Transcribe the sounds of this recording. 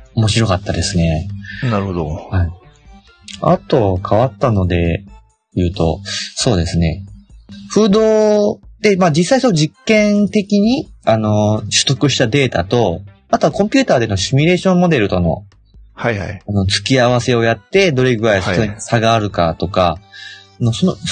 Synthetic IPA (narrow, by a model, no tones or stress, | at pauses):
o̞mo̞ɕiɾo̞kat̪ːad̪e̞sɨne̞naɾhod̪ohai | a̰t̪o̞βakʰaβat̪ːano̞d̪e̞ | jɯ̟ːt̪o̞̰so̞ːd̪e̞sɨne̞̰ | ɸɯ̟ːd̪o̞ːd̪̥e̞maːd͡ʑisːaisonʑikːẽ̞nt̪e̞kʲiɲ̟iano̞ɕɨ̥t̪o̞kɯ̟ɕi̥t̪ad̪e̞ːt̪a̰t̪o̞mat̪oβakõ̞mpʲɨ̟ːt̪aːd̪e̞no̞ɕimʲiɾe̞ːɕõ̞mːo̞d̪e̞ɾɯ̟t̪o̞no̞̰ | hajha̰ano̞t͡sɨ̥kʲiaβ̞ase̞o̞jat̪ːe̞d̪o̞ɾe̞ɡɯ̟ɾaiso̥t̪oɲisaɡaːɾɯ̟kat̪o̞ka | no̞sono